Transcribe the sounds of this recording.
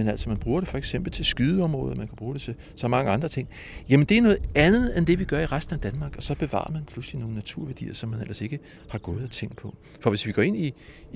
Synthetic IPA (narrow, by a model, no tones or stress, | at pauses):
menæl̰sɒmænb̥ʁuːɐɾ̥e̝fɒ̽eɡ̥sem̰b̥l̩t͡sʰe̝lsɡ̥yðˠəɒ̽mʁɔ̽ːðˠɐmænkʰæb̥ʁuːɾ̥e̝t͡sʰe̝ | sɒ̽mɑ̈ŋəɑ̈nd̥ʁɐt͡sʰe̝ŋ̰ | jæmənd̥e̝æɐnɔ̽ːð̩ˠænð̞̩ˠend̥e̝ʋiɡ̥ɶɐiʁasd̥n̩æd̥ænmɑ̈ːɡ̥ɒ̽sɒ̽b̥e̝ʋɑ̰̈ːɑɐmænpʰluslino̝ːn̩næt͡sʰuɐ̰ʋæɐd̥ḭːɐsɒ̽mːænel̰ɐse̝ɡ̥ə | hɑ̈ɡ̥ɔ̽ːð̩ˠæt͡sʰeŋ̰d̥pʰɒ̽ | fɒ̽ʋe̝sʋiɡ̥ɒ̰ːe̝ni